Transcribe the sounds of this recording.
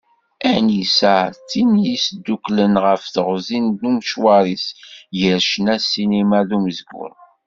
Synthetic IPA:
ænisæʕt͡sːimjisd̪ːuklənʁəfθəʁzind̪umʃwɑɾˤisjəɾʃnæsinimæðuməzɡʊ̰ɾ

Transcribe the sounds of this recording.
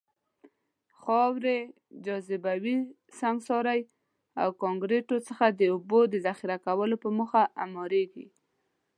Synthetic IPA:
xɑwɾe | d͡ʒɑzɪbawi | saŋɡsɑɾaj | a̰wkɑŋɡɾeʈot͡səxad̪əubod̪əzaxiɾakawəlopəməxaʔa̰mɑɾeɡḭ

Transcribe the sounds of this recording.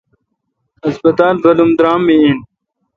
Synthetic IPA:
ɐsbɐt̪aːlɣɐlumd̪ɾaːmːiin

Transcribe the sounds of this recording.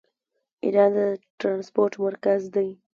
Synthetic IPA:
ɪ̰d̪ɑd̪əʈɾɑnspoɾʈmaɾkazd̪aj

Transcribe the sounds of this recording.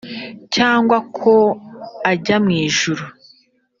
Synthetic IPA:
caːŋɡwakʰo̞aɟamŋiːʒuɾu

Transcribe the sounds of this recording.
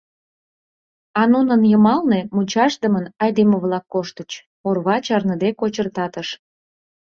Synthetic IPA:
ɑnunənjəmɑlne̽mut͡ɕɑʃd̪əmənɑjd̪eməβlɑkːoʃt̪ət͡ɕ | orβɑt͡ɕɑrnəd̪ekot͡ɕərt̪ɑt̪əʃ

